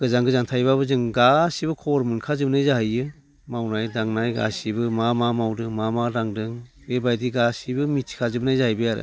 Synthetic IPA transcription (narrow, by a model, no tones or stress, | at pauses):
ɡ̥ɯzaŋɡɯzantʰajbabɯzɯŋɡasibɯkʰɔɾmɯnkʰazɯbnajzahajɯ | mawnajdaŋnajɡa̰sibɯmamamawdɯŋmamaɾaŋdɯŋ | bebajdiɡasibɯmitʰi̥kʰazɯbnajzaɦajbɯjaɾɯ̰